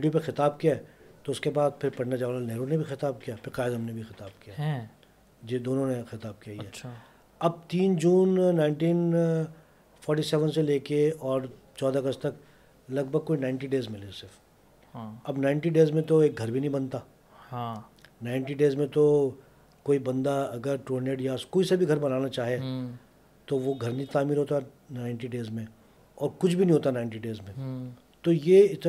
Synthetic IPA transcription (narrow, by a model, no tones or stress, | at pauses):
ɖjõp̬exɪt̪aːb̚kijaɛt̪oʊskebaːd̪̚pʰɪɾpɐɽnad͡ʒaːʋlanɛɦɾõnebʱixɪt̪aːb̚kijaːpʰɪɾqaːɪd̪ɦɐmnebʱixɪt̪aːb̚kijaː | d͡ʒed̪oːnõnexɪt̪aːb̚kijaiɦɛːʃʰ | ɐb̚t̪iːnd͡ʒuːnːaːɪ̃ɳʈiːn | fʰɔːɾʈisɛːʋənseleːkeɔːɾ | t͡ʃɔːd̪aɡɐst̪ɐk | lɐɡ̚bʱəɡ̚koːinãːɪ̃ɳʈiɖeːzmɪlesɪf | ɐbnãɪɳʈiɖeːzmẽt̪oeːk̚ɡʱɐɾbʱinə̃ɦĩbɐnt̪aː | ha | naːɪ̃ɳʈiɖeːzmẽt̪o | koːibɐ̃nd̪aɐɡəɾʈuɦə̃ɳɖeːɖjaskoːisɐbʱiɡʱɐɾbɐnaːnat͡ʃaːɦie | t̪oʋoɡʱɐɾnit̪aːmiːɾɦoːt̪aɦ | naːɪ̃ɳʈiɖeːzmẽ | ɔːɾkʊt͡ʃʰbʱinəɦĩɦoːt̪anaːɪɳʈiɖeːzmẽ | t̪ojeɪt̪